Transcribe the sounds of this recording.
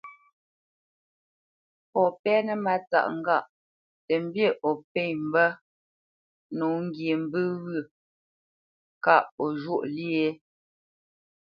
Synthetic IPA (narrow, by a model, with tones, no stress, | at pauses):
pɔ˨pɛ˦nə˦ma˨t͡sa̰˦˨ʔŋ˦˨ɡa˦˨ʔ | tɛ˨m̩˦bje˦ʔɔ˨pe˦˨ɲm̩˨bə˦ | no˨˦ŋ̩˦ɡje˨m˨bɨ˦ɣɯ˦˨ | ka˦˨ʔɔ˨ʒo˦˨ʔli˦e˦